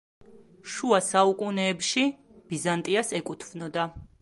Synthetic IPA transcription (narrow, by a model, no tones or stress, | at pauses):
ʃuasaukʼunɛːpʃi | b̥izant̪ʼiasɛkʼut̪ʰvnɔd̪a